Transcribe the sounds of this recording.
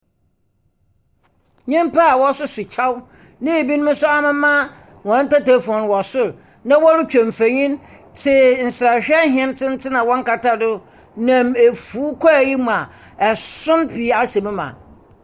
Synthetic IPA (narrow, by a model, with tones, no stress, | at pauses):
ɲĩ˦m˦pʰa˦a˨wɔ˦sʊ˦sʊ˨t͡ɕʰa˦w | nɪ̃˦e˨bi˦ñ˦ʊ̃˦sʊ˦a˦mɪ̃˦mã˦ | wɔ̃˨n̩˦ta˦ta˦fu˨ɔ̃˨n˨wɔ˨sʊ˦ɾ | nã˦wɔ˦ɾʊ˦t͡ɕᶣɛ̃˨m˨fæ˨ɲĩ˦n | tʰɪ˦n̩˨sɾa˨ɕᶣɛ˦ɦɪ̃˨ɛ̃˦n˦tʰɪ̃˦n̩˦tʰɪ˦nã˨wɔ̃˦ŋ˦ka˨ta˦dʊ˦ | nã˨me˨fuː˨˦kʰɔ˦æ˨ji˦mũ˨a˨ɛ˨sʊ̃˦mpʰi˨˦a˦sɛ˨mɪ̃˦mã̰˨